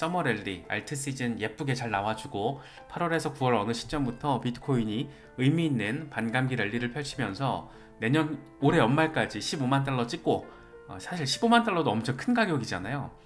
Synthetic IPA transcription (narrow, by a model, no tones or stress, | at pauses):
s͈ʌmʌɾe̞ɭːia̰ɭtʰɯs͈id͡ʑɯnje̞p͈uɡe̞t͡ɕaɭnawad͡ʑuɡo | pʰaɾwʌɾe̞sʰʌkuwʌɾʌnɯɕʰi̥p̚t͡ɕ͈ʌmbutʰʌpidɯ̥kʰoiɲi | ɯmiːnːɯnpanɡamɡiɾe̞ɭːiɾɯɭpʰjʌɭt͡ɕʰimjʌnsʰʌ̰ | ne̞ɲʌn | oɾe̞ʌnmaɭk͈ad͡ʑiɕʰibomant̬͈aɭːʌt͡ɕ͈ik͈o | ʌsʰaɕʰiɭɕʰibomant͈aɭːʌdoʌmt͡ɕʰʌnkʰɯnɡaɡjoɡid͡ʑa̰najo